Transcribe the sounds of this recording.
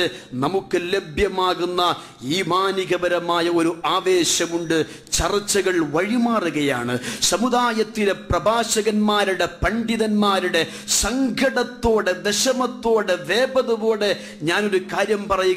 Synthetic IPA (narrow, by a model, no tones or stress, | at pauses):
ɨnɐmukːɨle̞bʱjɐmaːɣunːɐ | iːmaːniɣɐbɐɾɐmaːjɐo̞ɾuaːʋe̞ːɕɐmuɳɖɨ | t͡ɕɐrit͡ɕːɐɣɐɭʋɐɻimaːruɣɐja̰ːɳɨ̰sɐmuðaːjɐt̪ːiɾe̞prɐbʱaːɕɐɣɐnmaːɾuɽe̞pɐɳɖiðɐnmaːɾuɽe̞ | sɐŋɡʱɐɽɐt̪ːo̞ːɽed̪eɕɐmɐt̪ːo̞ːɽeʋeːbɐðɐʋo̞ːɽe | ɲaːno̞ɾukaːɾjɐmpɐrɐjuɣ